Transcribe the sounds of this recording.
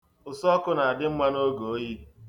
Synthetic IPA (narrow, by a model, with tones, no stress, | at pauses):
ʊ˨sɔ˦kʊ˦na˨a˨dɪ˦m̩˦ma˦no˦ɡo˨˦ji˦